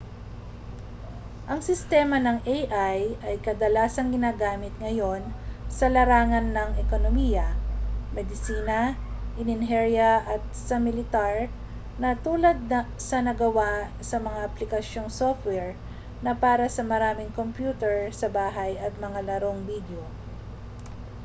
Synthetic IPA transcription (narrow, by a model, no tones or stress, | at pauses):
ʔɐŋsɪst̪ɛːmɐnɐŋʔejʔajɐjkɐd̪ɐlaːsɐŋɡɪnaːɡaːmɪt̪̚ŋɐjo̞nsɐlɐɾaːŋɐnːɐŋʔɛko̞nomiːjɐmɛd̪ɪsiːnɐʔɪnɪnɦɛɹjɐʔɐt̪̚sɐmɪlɪt̪aɹ | nɐt̪uːlɐd̪̚nɐsɐnɐɡɐwa | sɐmɐŋaʔɐplɪkɐʃjo̞ŋsoft̪̚wɛɹ | nɐpaːɾɐsɐmɐɾaːmɪŋkompjuːt̪ɛɹsɐbaːɦɐjɐt̪̚mɐŋalɐɾo̞ŋbiːd̪jo